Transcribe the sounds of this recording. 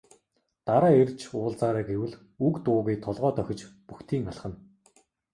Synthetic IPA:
t̪aɾaːert͡ɕʰʊːɮt͡saːɾæːɡewɘ̆ɮ | ukt̪ʊːɣuːt̪ʰɔɮʁɔːt̪œxʲɪ̆t͡ɕpuxt̪ʰiːŋaɮχə̆n

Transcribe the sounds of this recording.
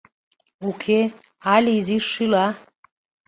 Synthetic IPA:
ukʰe | aliziʂila

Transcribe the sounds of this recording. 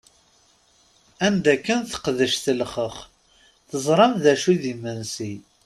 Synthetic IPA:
ænd̪ækːənθə̥qðəʃθəlχəχ | θəzˤɾˤɑmðæʃuðimːənsi

